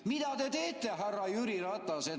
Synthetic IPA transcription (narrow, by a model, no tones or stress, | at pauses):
mid̪̥æt̪et̪e̞ːt̪ˑːeɦærːɑjyɾiɾɑt̪ˑːɑse